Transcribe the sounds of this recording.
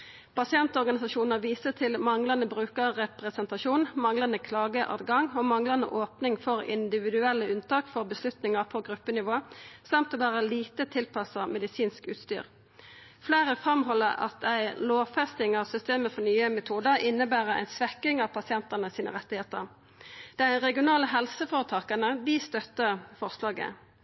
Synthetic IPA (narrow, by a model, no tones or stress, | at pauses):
pʰɑsɪɛnt̪ɔʁɡɑnɪsɑʃuːnəʁʋiːsət̪ʰɪlmɑŋlɑnəbʁʉːkəʁʁɛpʁɛsɛnt̪ɑʃuːnmɑŋlɑnəkʰlɑːɡəʔɑ̰ːd̪ɡɑŋomɑŋlɑnə̰ʔoːpnɪŋfɔɾɪ̰nd̪ɪʋɪd̪ʉɛlːəʉnt̪ɑːkfɔʁbəslʉt̪nɪŋəʁpʰɔɡɾʉpːənɪʋoːsɑmt̪oːʋæːʁəliːt̪ət̪ʰɪlpʰɑsəmɛd̪ɪsiːnskʉ̰ːt̪st̪y̰ːʁ | fleːʁəfʁɑmɦɔlːəʁɑ̰t̪̚æɪloːʋfɛst̪ɪŋɑʁsʏst̪eːməfɔʁnyːəmɛt̪ʰuːd̪əʁɪnːəbæːʁəʁæ̰ɪnsʋɛkːɪŋɑʋpʰɑsɪɛnt̪əʁnəsiːnə̰ʁɛt̪ːɪheːt̪ə̰ʁ | d̪̥æʁɛɡɪʊnɑːləɦɛlsəfoːʁət̪ʰɑːkənəd̪ɪst̪œt̪ːəfɔʁslɑːɡə̰